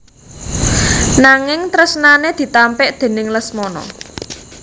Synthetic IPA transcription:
naŋɪŋt̪ɾəsnaned̪̥i̤t̪ampɪʔd̪̥e̤nɪŋləsmɔnɔ̰

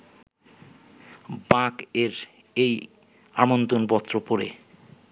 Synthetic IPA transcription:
bãkeɾ | ej | amont̪onbɔt̪ːɾopoɾḛ

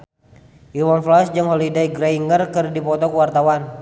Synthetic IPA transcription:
ʔiwɔnflasd͡ʒəŋhɔlidaiɡɾaiŋərkɨrdipɔt̪ɔkuwart̪awan

